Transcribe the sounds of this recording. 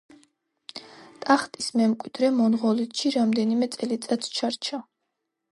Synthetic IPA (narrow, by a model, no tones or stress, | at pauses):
t̪ʼaχt̪ʼismɛmkʼwid̪ɾɛmɔnʁɔlit̪ʰʃiɾamd̪ɛnimɛt̪sʼɛlit̪sʼat̪ʰt͡ʃʰaɾt͡ʃʰa